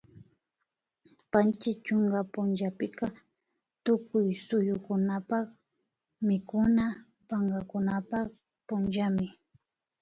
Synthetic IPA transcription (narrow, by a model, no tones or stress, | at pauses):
pant͡ʃɪt͡ʃʊŋɡapʊnʒapɪkɑ | t̪ʊkʊjsʊjʊkʊnapɑχ | mɪkʊna | paŋɡakʊnapɑχ | pʊnʒamɪ